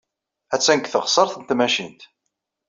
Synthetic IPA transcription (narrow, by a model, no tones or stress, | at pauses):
æt͡sːænkθəʁsˤəɾˤθənt̪mæʃint̪